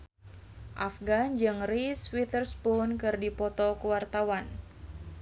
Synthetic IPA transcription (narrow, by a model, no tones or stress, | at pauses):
ʔafɡand͡ʒɨŋriswit̪ərspunkɨrdipɔt̪ɔkuwart̪awan